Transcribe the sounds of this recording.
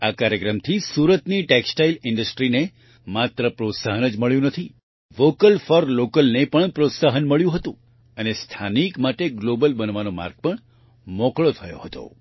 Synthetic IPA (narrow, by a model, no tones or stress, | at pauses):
akaɾjəkɾəmt̪ʰisuɾət̪niʈeksʈailɪɳɖəsʈɾine | mat̪ɾəpɾot̪saɦənəd͡ʒməɭjũnət̪ʰi | ʋokəlfɔɾlokəlnepəɳpɾot̪saɦənməɭjũɦət̪ũ | ənest̪ʰanikmaʈeɡlobəlbənʋanoma̰ɾɡ̚pəɳ | mɔkɭot̪ʰəjo̰ɦət̪o̰